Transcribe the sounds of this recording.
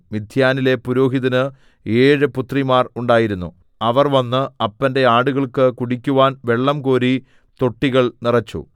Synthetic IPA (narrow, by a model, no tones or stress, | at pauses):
mid̪ʱjaːnile̞puɾo̞ːɦiðɐnɨ | eːɻɨput̪rimaːruɳɖaːjiɾunːṵ | ɐʋɐrʋɐnːɨɐpːɐnde̞aːɽuɣɐɭkɨkuɽikʲːuʋaːnʋe̞ɭːɐmkoːɾi | t̪o̞ʈːiɣɐɭnirɐt͡ɕːṵ